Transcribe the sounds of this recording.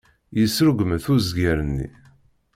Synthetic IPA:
jəsɾəɡʷməθuzɡæɾənːḭ

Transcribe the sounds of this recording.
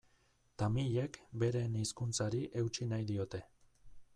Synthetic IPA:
t̪amiʎe̞kbe̞ɾe̞niskunt͡saɾiʔe̞ut͡ʃinajðio̞t̪e̞

